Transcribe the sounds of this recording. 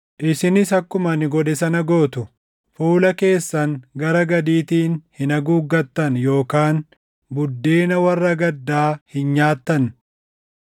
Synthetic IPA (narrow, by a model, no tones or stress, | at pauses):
ʔɪsɪnɪsɐkːʊmɐnɪɡɔd̪ɛsɐnɐɡo̞ːt̪ʊ | fuːlɐke̞ːsːɐŋɡɐɾɐɡɐd̪iːt̪iːnhɪnɐɡuːɡːɐt̪ːɐnjo̞ːkaːn | bʊd̪ːe̞ːnɐwɐrːɐɡɐd̪ːaːhɪnɲaːt̪ːɐn